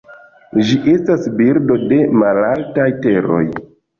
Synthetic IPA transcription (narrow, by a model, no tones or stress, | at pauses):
d͡ʒiʔe̞stasbiɾdo̞de̞malaltajte̞ɾo̞̰j